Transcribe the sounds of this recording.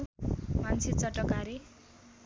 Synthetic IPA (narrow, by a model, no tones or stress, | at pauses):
mant͡sʰit͡sʌʈːʌkaɾi